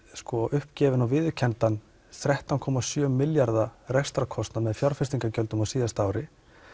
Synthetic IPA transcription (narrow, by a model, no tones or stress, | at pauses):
skɔʔʏhpcɛːvɪnawvɪðʏcʰɛnt̪an | θɾɛht̪awnkʰɔmasjœːmːɪljaɾðarɛst̪ɾakʰɔst̪namɛðfjawɾ̥fɪst̪iŋkacœlt̪ʏmawsiːðast̪aːwɾɪ